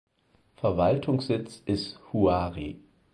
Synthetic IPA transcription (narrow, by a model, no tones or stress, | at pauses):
fɛɐvaltʰʊŋsz̥ɪt͡sɪsthuaːʁḭ